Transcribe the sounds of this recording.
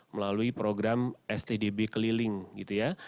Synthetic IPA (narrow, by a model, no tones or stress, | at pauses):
məlaluipɾoɡɾamɛst̪edebekəlilɪŋɡit̪uja